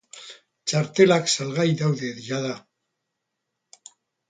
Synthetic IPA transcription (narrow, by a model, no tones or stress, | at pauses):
t͡ʃaɾt̪e̞laksalɣajðawðe̞ðiʎaða